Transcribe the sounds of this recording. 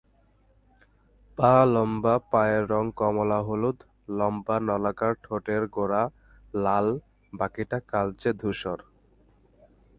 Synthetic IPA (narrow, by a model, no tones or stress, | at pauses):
palɔmbapajeɾːɔŋkɔmɔlaɦolud̪ | lɔmbanɔlakaɾʈʰoʈeɾɡoɾa | lal | bakiʈakalt͡ɕed̪ʱuʃɔɾ